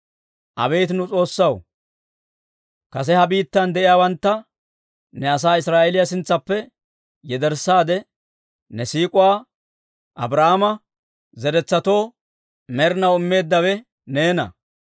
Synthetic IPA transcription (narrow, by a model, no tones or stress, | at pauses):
ʔɐ̰be̞ːt̪ɪnʊt͡sʼo̞ːsːɐw | kɐs̬ɛhɐbiːt̪ːɐnd̪ɛʔɪjaːwɐnt̪ːɐ | nɛɐs̬aːɪsɾaːʔɛlɪjasɪnt͡sːɐpːɛ | jɛd̪ɛɾsːaːd̪ɛ | nɛsiːkʼʊwaː | ʔɐ̰bɾahmɐ | zɛɾɛt͡sːɐt̪o̞ː | mɛɾɪnɐwɪmːe̞ːd̪ːɐwɛ | ne̞ːnɐ̰